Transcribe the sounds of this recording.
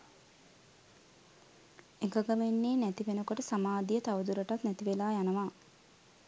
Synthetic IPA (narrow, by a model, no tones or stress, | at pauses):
eɡaɡamenːeːnæt̪iʋenukoʈəsamaːd̪ijət̪awd̪uɾəʈat̪nɛt̪iʋelaːjanəʋaː